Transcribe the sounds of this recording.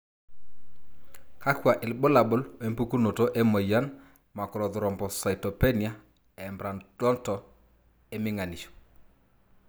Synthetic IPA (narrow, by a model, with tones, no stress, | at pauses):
ka˦kwa˨ʔɪ˨lɓo˦la˨bo˦lwe˦mpu˦ku˦no˨to˦ʔɛ˦mɔ˨ja˦n | ma˨kɔ˨ɾɔ˨ðʊ˨ɾɔ˨mbɔ˨sa˨i˨tɔ˨pɛ˦ni˨a˦ | ɛ˨mbɾa˨ndɔ˦ntɔ˨ | e˦mɪ˦ŋa˨ni˨ʃɔ̥˨